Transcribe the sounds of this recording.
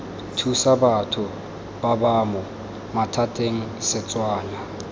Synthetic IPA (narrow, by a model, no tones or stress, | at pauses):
tʰusabatʰʊ | b̥abamʊ | matʰatʼeŋ̩sɪt͡sʼwaːna